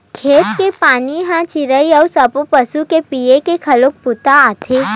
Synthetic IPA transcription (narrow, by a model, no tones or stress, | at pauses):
kʰeːt̪kepaːniɦãt͡ʃɪɾəiɔːsɐpopɐsukepijekekʰɐlok̚pʊt̪aaːt̪ʰeː